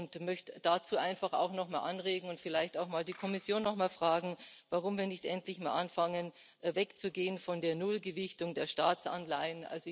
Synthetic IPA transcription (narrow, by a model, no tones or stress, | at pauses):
ʊntmœçtd̥at͡suːaɪnfaχa̰ʊxnɔχmaːlʔanʁeːɡŋ̩ʊntfɪlaɪçtaʊxmaːldiːkʰɔmɪsjoːnːɔχmaːlfʁ̥aːɡŋ̩vaʁʊmviːɐnɪçtʔɛntlɪçmaːlʔanfaŋən | vɛkt͡suɡeːənfɔndeːɐnʊlɡəvɪçtʊŋdeːɐʃtaːt͡sa̰nlaɪənʔa̰lzo